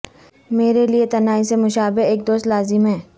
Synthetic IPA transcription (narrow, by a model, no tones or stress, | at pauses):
meːɾeliet̪ɐnaːisemʊʃaːbɪɦeːk̚d̪oːst̪laːzɪmɦɛ̃ː